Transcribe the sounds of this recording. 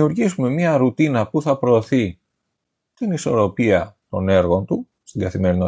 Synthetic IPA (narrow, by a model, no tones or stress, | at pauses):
uɾʝisume̞mɲɐɾut̪inɐpuθɐpɾo̞ːθi | t̪iniso̞ɾo̞piɐt̪o̞ne̞ɾɣo̞nt̪u | st̪iɡɐθime̞ɾino